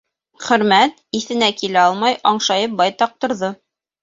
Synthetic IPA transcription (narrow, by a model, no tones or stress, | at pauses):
χɵ̆ɾmæt̪iθɘ̆nækilæɑlˠmɑjɑɴʃɑjɤp̚bɑjt̪ɑq̚t̪ŏɾðɤ